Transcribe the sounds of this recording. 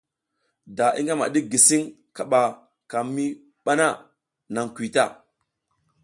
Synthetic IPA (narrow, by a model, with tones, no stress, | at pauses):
da˨ḭ˦ŋɡa˦ma̰˨ɗi˦ɡi˨si˦ŋ | ka˨ɓa˨ | ka˨mːi˦ | ɓa˦na˦˨ | na˨ŋkʷi˨ta˦˨